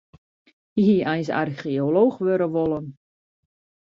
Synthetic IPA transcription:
iɦiʔɛjnsa̰rxioloːxʋøɾəʋolˠən

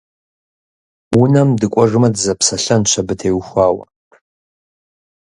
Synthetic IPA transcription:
unamdɨkʷʼaʐʷɨmadzapʰsaɬant͡ʃʷʰabɨtʰejwxʷaːwa̰

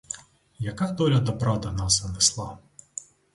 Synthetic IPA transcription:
jɐkat̪ɔlʲɐd̪ɐpɾad̪ɐnasɐnɛslˠa

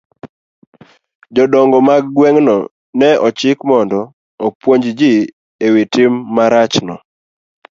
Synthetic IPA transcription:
d͡ʒɔdɔŋɡɔmaɡɡwɛŋnɔ | nɛɔt͡ʃɪkmɔndɔː | pwoɲd͡ʒd͡ʒi | ewitɪmːaɾat͡ʃnɔ̰

